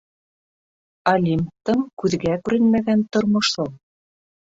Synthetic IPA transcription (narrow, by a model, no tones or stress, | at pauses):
ɐlʲimt̪ɤŋkʉðɡækʉɾɘnmæɡænt̪ŏɾmŏʃɤlˠ